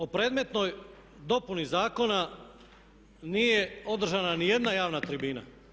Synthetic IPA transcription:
o̞pɾe̞ːd̪me̞t̪no̞j | d̪o̞punizaːko̞na | nije̞o̞d̪r̩ʒananije̞d̪najaːʋnat̪ɾibiːna̰

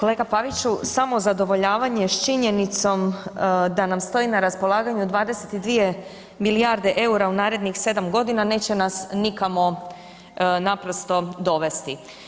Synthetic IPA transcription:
kole̞ːɡapaʋit͡ɕusamo̞zad̪o̞ʋo̞ʎaːʋaɲe̞ʃt͡ʃiɲe̞nit̪so̞md̪anamst̪o̞inaɾaspo̞lˠaːɡaɲud̪ʋaːd̪e̞set̪id̪ʋije̞ | miliaɾd̪e̞ʔe̞uɾaunaːɾe̞d̪nixse̞d̪amɡo̞d̪inane̞ːt͡ɕe̞nasnikamo̞ | napɾo̞st̪o̞d̪o̞ʋe̞st̪i

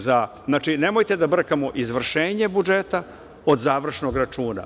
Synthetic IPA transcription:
za | znaːt͡ʃinemojt̪e̞d̪abr̩kamoʔizʋr̩ʃeːɲe̞bud͡ʒeːt̪a | od̪zaːʋr̩ʃno̞ɡɾat͡ʃuːna̰

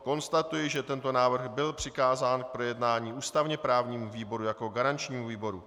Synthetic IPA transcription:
ko̞nst̪at̪ujɪʒɛt̪ɛnt̪o̞naːvr̩ɣbɪlpr̝̥ɪkaːzaːnk̚pɾo̞jɛdnaːɲiːʔuːst̪avɲɛpɾaːvɲiːmuviːbo̞ɾujako̞ɡaɾant͡ʃɲiːmuviːbo̞ɾu

